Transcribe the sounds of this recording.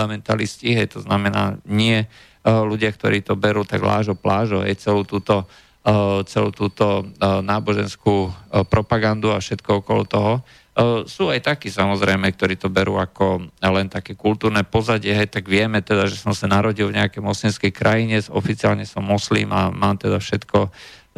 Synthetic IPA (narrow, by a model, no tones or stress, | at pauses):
amɛnt̪a̰lisciɦɛjt̪ɔznamɛna̰ːɲɪɛ | luɟɪakt̪ɔɾiːt̪ɔbɛɾuːt̪a̰ɡla̰ːʒɔplʔaːʒɔɦɛ̰jt͡sɛluːt̪uːt̪ɔ | t͡sɛlṵːt̪uːt̪ɔnaːbɔʒɛnskuːpɾɔpaɡand̪uafʃɛt̪kɔɔkɔlɔ̰t̪ɔɦɔ | suːajt̪akiːsamɔzɾɛjmɛk̚t̪ɔɾiːt̪ɔbɛɾṵːakɔlɛnt̪akɛːkult̪uːɾnɛpɔzaɟɪɛɦɛjt̪aɡʋɪɛmɛt̪ɛd̪aʒɛsɔmsanaɾɔɟilvɲɛakɛjmɔslimskɛjkɾʔajiɲɛsɔfit͡siaːlɲɛsɔmːɔslḭːmamaːmt̪ɛd̪afʃɛt̪kɔ